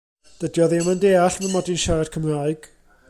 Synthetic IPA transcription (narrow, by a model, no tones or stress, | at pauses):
d̥ədjɔðeməndeːaɬmənmɔdinʃaɾad̥̚kʰəmraːɨɡ̥